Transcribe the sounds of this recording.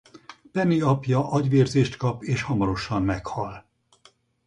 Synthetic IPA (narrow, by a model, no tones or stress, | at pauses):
pɛnːiɒpjɒʔɒɟʋeːrzeːʃt̪kɒpeːʃhɒmɒɾo̞ʃɒmmɛkhɒl